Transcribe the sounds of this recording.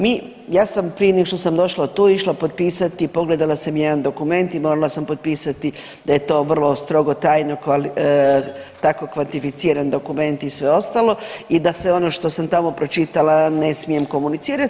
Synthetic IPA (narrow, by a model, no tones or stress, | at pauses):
mi | jaːsampɾijeneɡoʃt̪o̞samd̪o̞ʃlat̪uːiʃlˠapod̪̚piːsat̪ipo̞ɡle̞d̪alasamjed̪and̪o̞kume̞nt̪imo̞ɾalasampo̞d̪̚piːsat̪i | d̪aje̞t̪o̞ːʋr̩lˠo̞st̪ɾo̞ɡo̞t̪aːjno̞kal | t̪ako̞kʋant̪ifit̪siːɾand̪o̞kume̞nt̪isʋe̞o̞st̪alo̞id̪asʋe̞o̞no̞ʃt̪o̞samt̪amo̞pɾo̞t͡ʃit̪alane̞smije̞mko̞munit̪siːɾat̪